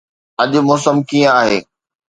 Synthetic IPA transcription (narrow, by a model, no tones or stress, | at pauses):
ɐʄʊ̆mɔːsəmkiːjə̃aːɦeː